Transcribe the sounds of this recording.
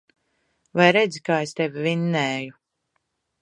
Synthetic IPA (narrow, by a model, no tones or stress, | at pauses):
vajɾɛd̪zikaːest̪evʲivinːɛːju